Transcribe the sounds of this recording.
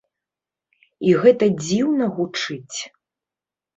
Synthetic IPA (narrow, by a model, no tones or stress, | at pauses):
iɣɛt̪ɐd͡zʲiwnɐɣut͡ʂɨt͡sʲ